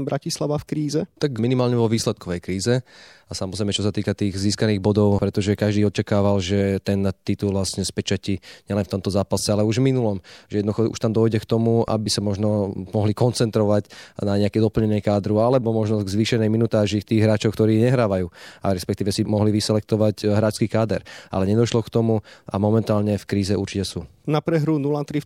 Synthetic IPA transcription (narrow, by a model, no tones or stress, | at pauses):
bɾacislaʋafkɾiːzɛt̪akminimaːlɲɛʋɔʋiːslɛt̪̚kɔʋɛjkɾiːzɛsamɔzɾɛjmɛt͡ʃɔsat̪iːkat̪iːɣziːskaniːɣbɔd̪ɔʊpɾɛt̪ɔʒɛkaʒd̪iːɔt͡ʃakaːʋalʒɛt̪ɛnt̪it̪ulʋasɲɛspɛt͡ʃaciɲɛlɛnft̪ɔmt̪ɔzaːpasɛalɛuʒvminulɔmʒɛjɛd̪nd̪uxɔṵʃt̪amd̪ɔjɟɛkt̪ɔmua̰bisamɔʒnɔmɔɦlikɔnt͡sɛnt̪ɾɔʋaɟnaɲɛakɛd̪ɔpl̩ɲɛnɪɛkaːd̪ɾualɛbɔmɔʒnɔɡzʋiːʃɛnɛjminut̪aːʒik̚t̪iːɣɦɾaːt͡ʃɔʊkt̪ɔɾiːɛɲɛɦɾaːʋajuːaɾɛspɛk̚t̪iːʋɛsimɔɦliʋisɛlɛk̚t̪ɔʋaɟɦɾaːt͡skiːkaːd̪ɛɾʔa̰lɛɲɛd̪ɔʃlɔkt̪ɔmuʔa̰mɔmɛnt̪aːlɲɛfkɾiːzɛʔuɾt͡ʃicɛsuː | napɾɛɦɾunulat̪ɾi